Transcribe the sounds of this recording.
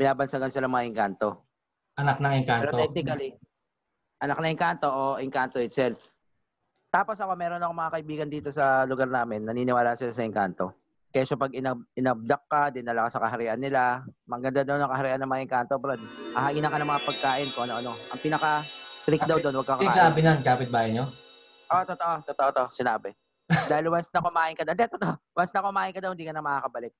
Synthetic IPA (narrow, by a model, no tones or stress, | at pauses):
b̥ɪnaːbɐnsɐɡɐnsɪlɐŋmɐŋaʔɪŋkant̪o̞ | ɐnak̚nɐŋɪŋkaɛɾoɛk̚nɪkɐli | ʔɐnak̚nɐɪŋkant̪o̞ʔoʔɪŋkant̪o̞ʔɪt̪sɛlf | t̪aːpo̞sʔɐko̞mɛːɾonɐkoŋmɐŋakɐʔɪbiːɡɐnd̪iːt̪o̞sɐlʊɡaɾnaːmɪnːɐniːnɪwaːlaːsɪlasɐʔɪŋkant̪o̞ | kɐaʃɐpɐɡɪnɐbʔɪnɐb̚d̪ɐkːad̪ɪnːɐlɐkasɐkɐɦɐɾɛʔɐnːɪlamɐɡɐnd̪ad̪ɐwnɐkɐhɐɾɪʔanɐŋmɐŋaɪŋkaːnt̪obɾɛnhɐhɐʔiːnɐkɐnɐŋmɐŋapɐɡ̚kaːʔɪnkʊŋɐnoʔɐno̞ʔɐŋpiːnɐkɐt̪ɾik̚d̪awd̪onwɐɡ̚kːakasaːbɪnankaːpɪt̪̚baːjɐɲo | ʔot̪ot̪oʔot̪ot̪oʔot̪oʔsɪnaːbɛ | d̪aːhɪlwɐnsnɐkʊmaːʔɪnkɐd̪ɐnd̪ɛt̪ot̪oʔ | wɐsnɐkʊmaːʔɪnkɐd̪awhɪnd̪iːkɐnɐmɐkakɐbɐlɪk̚